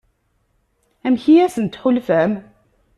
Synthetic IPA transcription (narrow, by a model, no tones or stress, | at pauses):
æmçiæsənt̪ħʊlfæm